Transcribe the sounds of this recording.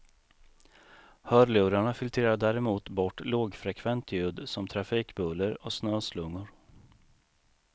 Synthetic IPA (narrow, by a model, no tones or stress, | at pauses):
hœːɾlʉ̟ːɾaɳafɪlt̪ʰɾeːɾaɖ̪æːɾɛmuːt̪bɔʈːloːɡfɾɛkʰvɛnt̪ʰjʉ̟ːd̪sɔmt̪ʰɾafiːkbɵlːəɾɔsnøːslɵŋːʊɾ